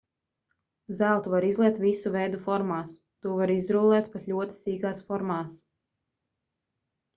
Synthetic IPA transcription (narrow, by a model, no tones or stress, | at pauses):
zælˠt̪uvaɾizlˠɛk̚t̪visuvɛjd̪ufɔɾmaːs | t̪uɔvaɾizɾuːlˠɛːt̪pat̪lʲuɔt̪i̥siːɡaːsfɔɾmaːs